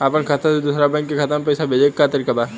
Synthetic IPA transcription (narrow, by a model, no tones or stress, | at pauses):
aːpənkʰɐt̪d̪uːsɾabɛ̃ːŋkːikʰɐt̪ə̃mpɐɪsabʱeːd͡ʒekːat̪ɐɾiːkabaː